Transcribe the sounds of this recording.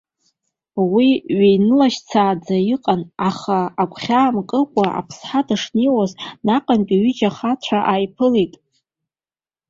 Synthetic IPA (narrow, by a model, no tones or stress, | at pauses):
wiɥejnɨlaʃt͡sʰaːd͡zajiqʼanaχaːkʷʰʼχʲaːmkʼɨkʷʼaʔa̰pʰsħadaʂniwaznaqʼankʲʼaɥʏd͡ʒaχat͡ɕʷʰaʔajpʰɨlejtʼ